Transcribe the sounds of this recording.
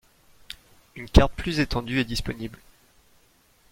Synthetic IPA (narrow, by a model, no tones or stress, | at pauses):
ynkaʁt̪̚plyzet̪ɑ̃d̪yɛd̪ispɔnibl